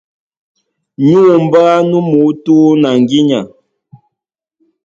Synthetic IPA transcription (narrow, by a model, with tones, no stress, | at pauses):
ɲu˦˨m̩˨ba˦nu˦mu˨˦tuː˦na˨ŋ˨ɡi˦ɲa˨